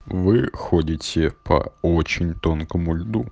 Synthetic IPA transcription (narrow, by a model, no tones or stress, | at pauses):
ʋɪxɔdʲɪtʲɛpʰɐ̰ɔt͡ʃinʲt̪ɔnkɔmʊlʲd̪u